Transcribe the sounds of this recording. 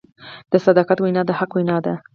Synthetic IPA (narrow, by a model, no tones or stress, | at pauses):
d̪̥əsad̪ɑqat̪wajnɑd̪əhaqwajnɑd̪a